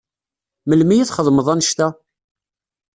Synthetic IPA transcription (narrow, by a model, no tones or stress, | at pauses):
məlmijiθχəðˤməðˤænʃt̪æ